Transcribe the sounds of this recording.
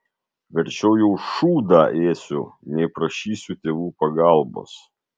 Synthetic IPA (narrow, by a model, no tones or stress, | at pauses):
ʋʲɛɾʲt͡ʃʲɛʊjɛʊʃuːd̪ɑːʔeːsʲʊnʲɛɪpɾɐʃʲiːsʲʊt̪ʲeːʋuːpɐɡɑˑlˠbo̰ːs